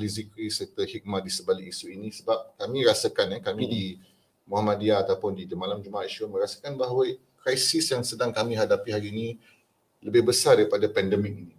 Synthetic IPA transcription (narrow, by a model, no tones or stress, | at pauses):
lizikɾisərt̪əhik̚maʔ̚disəbaliʔisuinĩsəbap̚kamĩɾasakanɛkamĩdi | muɦamãdiaːt̪awpʊndit̪əmalamd͡ʒumaaiʃumə̃ɾasḁkanbaɦwa | kɾajsisjaŋsədaŋkamĩɦadapiɦaɾiːni | ləbɪhbəsardaɾipadapɛndəmɪk̚ini